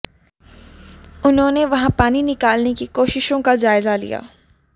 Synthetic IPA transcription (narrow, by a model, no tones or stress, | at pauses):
ʊnɦõːneʋɐɦãpaːninɪkaːlnekikoːʃɪʃõkad͡ʒaːɪzalḭja̰ː